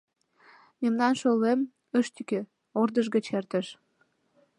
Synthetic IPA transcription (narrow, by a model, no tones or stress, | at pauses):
memnɑnʃolːem | əʃt̪yke | ord̪əʒɡət͡ɕert̪ə̆ʃ